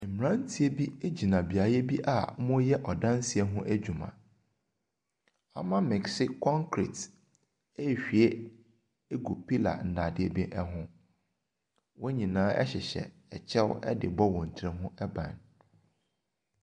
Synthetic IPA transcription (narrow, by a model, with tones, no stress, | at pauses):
m̩˨m˨ɾã˦n̩˦tʰi˦e˦bi˦e˦d͡ʑi˨nã˨bi˨a˨˦jɛ˦bi˦ʔa̰˨˦mʊ̃˦jɛ˦ʔɔ˨dã˦n˦si˨ɛ˦ɦʊ̃˦ʔæ˦d͡ʑᶣu˨mã̰˨ | a̰˦mã˦mɛ˨ksɪ˦kʰɔ̃˦ŋkʰɾḭ˨t | e˦˨ɕᶣi˨e˦ | e˦ɡu˨pʰi˦la̰˨n̩˨dã˨dɪ˨e˨bi˦ʔɛ˦ɦʊ̃˦ | wʔɔ˦ɲĩ˨nãː˦ʔɛ̰˦ɕɪ˨ɕɛ̰˨ | ɛ˨t͡ɕʰɛ˦wɛ˦dɪ̰˨bɔ˦wɔ̃˨n̩˨tʰɛ˨ɦʊ̃˦ɛ˦bã̰˨n